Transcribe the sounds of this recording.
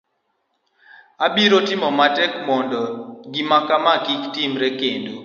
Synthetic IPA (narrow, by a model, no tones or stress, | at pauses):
abiɾotɪmɔmatɛkmɔndɔɡimakamakiktimɾɛkendo